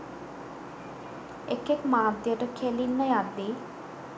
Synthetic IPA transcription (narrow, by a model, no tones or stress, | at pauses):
ekekmaːd̪jəʈəkʰelilːəjad̪i